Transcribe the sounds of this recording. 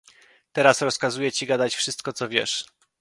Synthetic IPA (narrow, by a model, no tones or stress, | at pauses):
t̪ɛɾasɾɔskazujɛt͡ɕiɡad̪at͡ɕfʂɘst̪̚kɔt̪sɔvʲjɛ̰ʂ